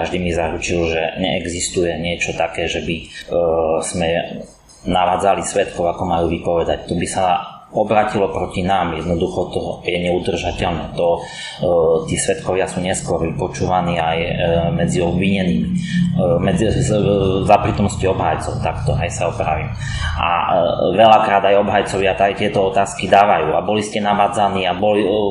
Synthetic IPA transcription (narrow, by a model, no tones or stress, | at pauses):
kaʒd̪imizaɾut͡ʃilʒɛɲɛ̰ʔɛɡzist̪ujɛɲɪɛt͡ʃɔt̪akɛːʒɛbi | smɛ | naʋaːd͡zalisʋɛt̪kɔʊakɔmajuːʋipɔʋɛd̪ac̚t̪ɔbisa | ɔbɾaːcilɔpɾɔcinaːmjɛd̪nɔd̪uxɔt̪ɔjɛɲɛud̪r̩ʒacɛʎnɛːt̪ɔ | t̪iːsʋɛt̪kɔʋɪasuːɲɛskʊɔɾʋipɔt͡ʃuːʋaniːajmɛd͡ziɔbʋiɲɛniːmi | mɛd͡zi | zapɾiːt̪ɔmnɔsciɔbɦa̰jt͡sɔʊt̪akt̪ɔɦɛjsaɔpɾa̰ʋḭːm | ʔa̰ʋɛʎakɾaːd̪ajɔbɦajt͡sɔʋɪat̪ajt̪ɪɛt̪ɔɔt̪aːskid̪aːʋajuːabɔliscɛnaʋaːd͡zaniːabɔli